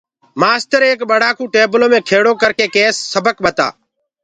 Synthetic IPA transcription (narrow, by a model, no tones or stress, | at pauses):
maːst̪əɾeːkɓəɽaːkũːʈeːbəloːmẽːkʰeːɽoːkəɾkeːkeːsːəbəkɓət̪a̰ː